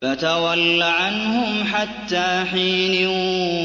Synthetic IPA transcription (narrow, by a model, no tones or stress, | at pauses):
fat̪awalːaʕanhʊmħat̪ːaːħiːnɪ